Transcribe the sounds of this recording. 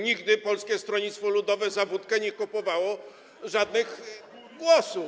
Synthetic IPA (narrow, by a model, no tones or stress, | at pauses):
ɲiɡd̪ɘpɔlskʲɛst̪ɾɔɲit̪st̪fɔlud̪ɔvɛzavut̪kɛɲɛkɔpɔvawɔ | ʐad̪nɘɣ | ɡwɔsu